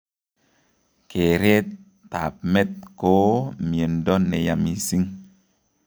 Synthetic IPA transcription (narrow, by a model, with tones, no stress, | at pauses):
kʰe˨ɾe˦tː | a̰˨p̚me˦t̪̚ko˨˦mje˨n˨dɔ˦nːe˨ja˨mi˨si˦ŋ